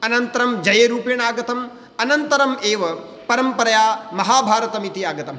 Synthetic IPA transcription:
ɐnɐnt̪ɐɾɐmd͡ʒɐjɐɾuːpjɐɳaːɡɐt̪ɐm | ɐnɐnt̪ɐɾɐmeːʋɐ | pɐɾɐmpɐɾɐjaːmɐɦaːbʱaːɾɐt̪ɐmit̪iaːɡɐt̪ɐm

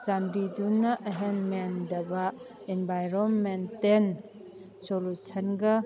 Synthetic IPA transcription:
zanbidunɐʔɐɦenmendɐbɐ | enbajɾonmenten | solusʰɐnɡɐ

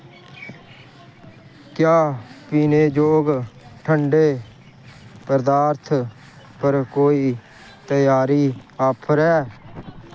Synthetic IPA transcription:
kjaːpiːneːd͡ʒoːɡʈʰəɳɖeː | pəɾd̪aːɾt̪ʰ | pəɾkoːiː | t̪əjaːɾiːaːpʰəɾɛː

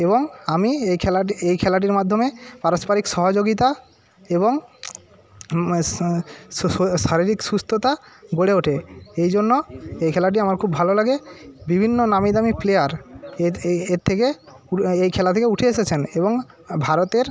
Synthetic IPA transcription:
eboŋamiejkʰɛlaʈiejkʰɛlaʈ̬iɾmad̪ʱːomepaɾospaɾikʃɔɦod͡ʑoɡit̪a | eboŋ | ʃaɾiɾiksust̪ʰot̪aɡoɽeoʈʰeejd͡ʑonːoejkʰɛlaʈ̬iamaɾkʰubʱalolaɡebibʱinːonamid̪amiplejaɾeeɾt̪ʰeke | ejkʰɛlat̪ʰekeuʈʰeeʃet͡ɕʰeneboŋ | bʱaɾot̪eɾ

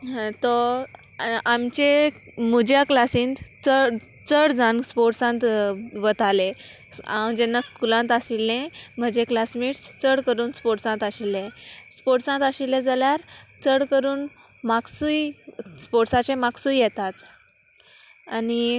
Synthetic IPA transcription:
t̪ɔ | amt͡ɕemud͡ʑjaklasĩːnt͡səɽ | t͡səɽd͡zãnspoʈsãnt̪ʋət̪ale | ãd͡ʑɛnːaskulãnt̪aɕilːẽm̤əd͡ʑeklasmiːʈst͡səɽkəɾuːnspoʈsãt̪aɕilẽspoʈsãnt̪aɕilːẽd͡zaljaɾt͡səɽkəɾuːn | maksujspoʈsat͡ɕẽmaksujjɛt̪at̪ | ani

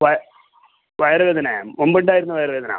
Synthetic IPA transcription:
ʋɐj | ʋɐjɐɾɐʋed̪ɐneombeɳɖaːjiɾunːɐʋɐjɾɐʋed̪ɐna̰

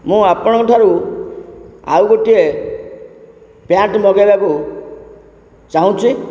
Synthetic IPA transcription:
mũapɔɽ̃ɔ̃w̃ʈʰaɾu | a̰wɡoʈie | pjaʈmɔɡebaku | t͡ʃaɦũt͡ʃʰi

